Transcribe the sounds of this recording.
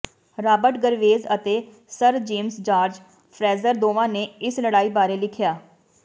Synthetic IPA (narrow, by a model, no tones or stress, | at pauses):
ɾaːbəʈɡəɾʋeːzət̪eː | səɾd͡ʒeːmsd͡ʒaːɾd͡ʒ | pʰɾɛːzəɾd̪oːʋãːneːɪsləɽaːiːbaːɾeːlɪkʰjaː